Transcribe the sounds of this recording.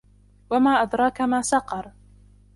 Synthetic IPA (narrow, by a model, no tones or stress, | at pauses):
wamaːʔad̪ɾˤɑːkamaːsɑqɑɾˤ